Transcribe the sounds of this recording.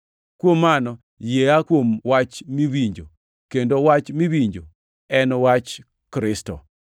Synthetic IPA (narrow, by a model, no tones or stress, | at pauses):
kwomːanɔ | jeakwomwat͡ʃmiwiɲd͡ʒo̰ | kendowat͡ʃmiwiɲd͡ʒo | ɛnwat͡ʃ | kɾɪstɔ̰